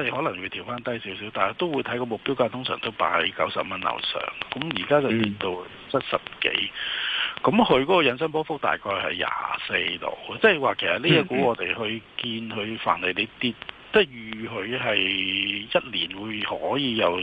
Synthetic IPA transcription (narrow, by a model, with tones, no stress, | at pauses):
ɔː˨˧t̪e˨˩jhɔː˨˥lɐ˨˩ŋwu˨˧t̪ʰiː˨˩wfaː˥nt̪ɐ˥jsi˨˥wsiː˨˥wt̪aː˨n˨˧t̪o˥wu˨˧jt̪ʰɐ˨˥jkɔː˧mʊ˨k̚pi˥wkaː˧t̪ʰʊ˥ŋsœː˨˩ŋt̪o˥wpa̰ː˧jkɐ˨˥wsɐ˨p̚mɐ˥nlɐ̰˨˩wsœ̰ː˨˩ŋkɐ˨˦˥mjiː˨˩kaː˥t͡sɐ˨wt̪iː˨˧tt̪o˧w | t͡sʰɐ˥t̚sɐ˨p̚kḛ˨˥j | kɐ˨˦mhɵ˧ɥkɔː˨˥kɔː˧jɐ˨˧ns̬ɐ˥np̬ɔː˥fʊ˥k̚t̪a̰ː˨jkʰɔː˧jhɐ̰˨jːa̰ː˨se˧jt̪o̰˨˩wt͡sɛː˥˩jwaː˨kʰe˨˩jsɐ˨t̚liː˥a˧kuː˨˥ɔː˨˧t̪e˨jɦɵ˧ɥkiː˧nhɵ˨˧ɥfa̰ː˨˩nle˨˩jne˨˧t̪iː˧t̚ | t͡sɛ˥˩jyː˨˩ɦɵ˨˧ɥɦɐ˨jjɐ˥t̚liː˨˩nwuː˨˧jhɔː˨˥jiː˨˧jɐ˨w